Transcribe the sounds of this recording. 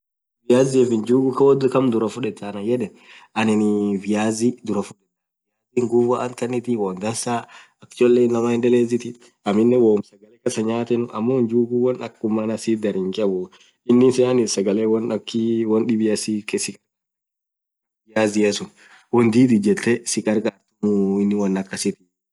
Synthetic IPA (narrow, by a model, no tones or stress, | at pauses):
vɪjaːzɪɛfɪnd͡ʒuːɡʊkɐwɔd̪kɐmd̪ʊɾɐfʊᶑɛt̪ːanɐjɛd̪ɛ | ɐnɪnɪvɪjaːzid̪ʊɾɐfʊᶑɛt̪a | jaːziŋɡuvaʔɐnt̪ɐnːɪt̪ɪwɔnd̪ɐnsaːɐkːt͡ʃlːeːnːɐmaːhɪnd̪ɐleːzɪt̪ɪ | ɐmɪnːɛwomsɐɡɐlɛkɐsɐɲaːt̪ɛnʊʔɐ̰mːond͡ʒuːɡuwɐnɐkːʊmːɐnɐsiːd̪ɐɾɪŋkʼɛbɔ | ɪnːɪnsɛɐnɪsɐɡɐlewɐnɐkːɪwɐnɗɪbɪɐsikʼɛsɪkʼɐɾkː | ɪjaːzɪjesʊn | wɔnd̪iːt̪ɪd͡ʒɛt̪ʰːɛsɪkʼɐɾkʼat̪ʊɪnːɪwɐnːɐkːɐsɪt̪ɪ